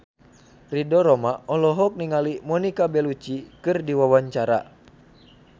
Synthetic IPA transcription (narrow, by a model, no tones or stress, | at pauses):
ridɔɾɔmaɔlɔɦɔk̚niŋalimɔnikabɛlut͡ʃikɨrdiwawaɲt͡ʃaɾa̰